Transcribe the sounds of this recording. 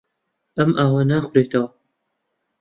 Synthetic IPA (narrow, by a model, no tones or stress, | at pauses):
ʔɐmʔaːwanaːxʷʊɾeːt̪ʰɐwɐ